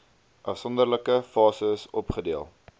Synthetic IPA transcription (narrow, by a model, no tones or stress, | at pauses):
ʔɐfsɔndərləkəfɑːsəsɔpχədiəlˠ